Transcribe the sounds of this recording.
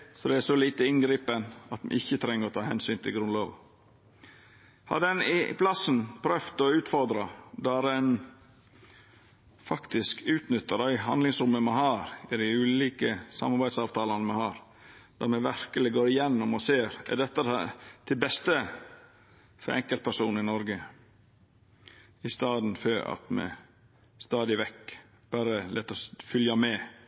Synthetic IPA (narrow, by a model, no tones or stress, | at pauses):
sɔd̪ɛæsɔliːt̪əɪnɡɾiːpənɑt̪mɛ̰ɪçːət̪ʰɾɛŋːəɾɔt̪ʰɑːhɛnsyːnt̪ʰɪlɡɾʉnloːʋ | hɑ̰d̪ɛnɪ̰pʰlɑsənpʰɾœft̪ɔʉːt̪fɔɾd̪ɾɑd̪ɑɾɛn | fɑkt̪ɪskʉːt̪nʏt̪ːəɾɑɪɦɑnd̪lɪŋsɾʊmːəmɛhɑːɾɪd̪ɪʉːliːkəsɑ̰mːɑɾbæɪd̪sɑːʋt̪ʰɑːlɑnəmɛhɑːɾ | d̪̥ɑɾmɛʋæɾkəlɪɡoːɾɪjɛnːʊmɔseːɾɛ̰ɖɛt̪ːət̪ʰɪlbɛst̪ə | fɔ̰ɾʔɛ̰ŋkəlt̪̚pʰæʂuːnɪnɔɾɡə | ɪst̪ɑːd̪n̩føɑ̰t̪mɛ̰ | st̪ɑːd̪ɪʋɛkː | b̥æɾəlʔɛːt̪ɔfʏljɑmɛː